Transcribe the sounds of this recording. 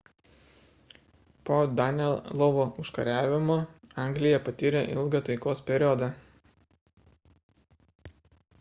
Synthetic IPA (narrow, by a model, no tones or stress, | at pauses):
poːd̪ɑnʲɛllˠɔʋoʊʃkɐɾʲæːʋʲɪmoːɑˑŋʲɡlʲɪjɛpɐt̪ʲiːɾʲeʔɪ̰lˠɡɐt̪ɐɪkoːspʲɛɾʲɔːd̪ɑ